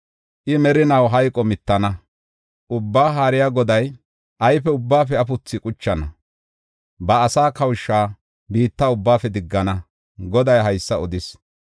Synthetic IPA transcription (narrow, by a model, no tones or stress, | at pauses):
ʔɪmɛɾɪnɐwɦɐjkʼɔmɪt̪ːɐnɐ | ʔʊbːaːɦaːɾɪjaɡɔd̪ɐj | ʔɐjpɛʊbːaːfɛɐfʊt͡sːɪkʼʊt͡ʃːɐnɐ | bɐːsaːkɐwʃːaː | biːt̪ːaʊbːaːfɛd̪ɪɡːɐnɐ | ɡɔd̪ɐjɦɐjsːɐɔd̪ɪs